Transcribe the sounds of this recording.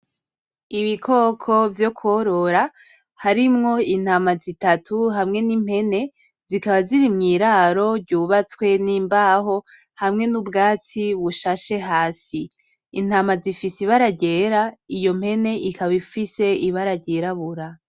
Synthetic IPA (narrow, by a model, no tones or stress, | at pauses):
iβikʰo̞ːkʰo̞vjo̞kʰoɾo̞ɾa | haɾimŋo̞in̥haːmazitatuɦamŋe̞nim̥he̞ne̞ | zikaβaziɾimŋiɾaːɾo̞ɾɟuːβat͡swe̞niːmbaɦo̞ | hamŋe̞nubɡaːt͡siβuʃaʃe̞ɦaːsiː | n̥haːmazifisiβaɾaɟeːɾaijo̞m̥he̞ne̞ʔikaβifise̞iβaɾaɟeɾaβuɾa